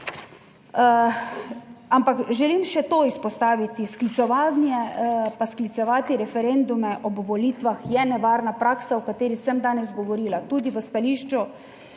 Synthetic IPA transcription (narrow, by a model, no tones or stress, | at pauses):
ampakʒɛlimʃɛt̪oispɔst̪aːʋit̪isklit̪sɔʋaːnjɛpasklit̪sɔʋaːt̪iɾɛfɛɾend̪umɛʔɔbʋɔliːt̪ʋaxjɛnɛʋaːɾnapɾaːksaɔkat̪eːɾixsɛmd̪aːnɛzɡɔʋɔɾiːlat̪uːd̪iʋəst̪aliːʃt͡ʃu